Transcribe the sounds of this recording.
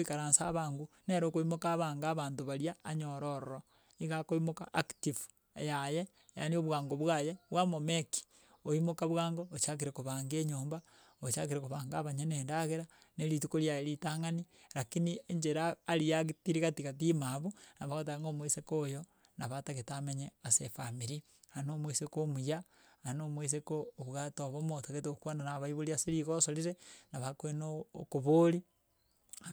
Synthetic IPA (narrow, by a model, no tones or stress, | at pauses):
ikaɾaːnsaβaːŋɡuneɾokoimokaβaːŋɡaːβaːntoβaɾjaːɲoɾoɾoɾo | iɣakoimokaʔaktifu̥ | jaje | ja̰nioβwaːŋɡoβwajeβwamomeki̥ | oimokaβwaːŋɡoot͡ʃak̬iɾekoβaːŋɡeːɲoːmba | ot͡ʃakiɾekoβaːŋɡaβaɲeneːndaɣeɾaneɾitukoɾjajeɾitaŋani | ɾakinieɲd͡ʒeɾaːɾijaɣitiɾiɣatiɣat̬imaβonaβaɣat̬aŋɡomwesekojo | naβataɣetameɲeasefamiɾi | hanomwesekomujaanomwes̬ekoːβuɣatoβomotoɣet̬okwananaβaiβoliaseɾiɣosoliɾenaβakwenoːkoβoːɾi